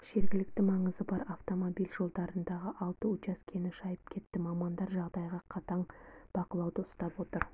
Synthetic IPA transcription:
ʒ̥e̞ɾɡʲɪlɪk̚t̪ɪmɑɴəzəbɑɾaft̪o̞mobijlʒo̞lˠd̪ɑɾənd̪ɑʁəʔɑlˠt̪əʊt͡ʃɑskʲʰe̞nɪʃɑjəp̚kʲʰe̞t̪ːɪmɑmɑnd̪ɑɾʒɑʁd̪ɑjʁɑqʰɑt̪ɑɴb̥ɑqəlˠɑwd̪əʊ̥st̪ɑpwo̞t̪əɾ

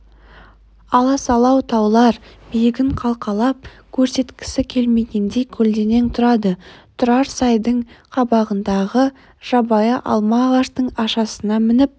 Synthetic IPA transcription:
ɑlˠɑsɑlˠɑwt̪ʰɑwlˠɑɾb̥ijɪɡʲɪɴqʰɑlˠqɑlˠɑp̚ | kʲʰɵɾse̞t̪kʲɪ̥sɪkʲʰe̞lme̞ɡʲe̞nd̪e̞jkʲʰɵld̪e̞ne̞nt̪ʰʊɾɑd̪ət̪ʰʊɾɑɾsɑjd̪əɴqʰɑbɑʁənd̪ɑʁə | ʒ̥ɑbɑjəʔɑ̰lˠmɑʁɑʃt̪əɴɑʃɑsənɑmɪnɪp̚

